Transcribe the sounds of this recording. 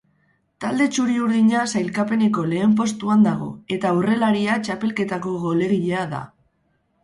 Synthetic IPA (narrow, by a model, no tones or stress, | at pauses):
t̪ald̪e̞t͡ʃuɾiuɾðiɲasajlkape̞neko̞le̞ːmp̬o̞st̪uand̪aɣ̞o̞̰e̞t̪aure̞laɾiat͡ʃape̞lke̞t̪ako̞ɣo̞le̞ɾiʎeaða̰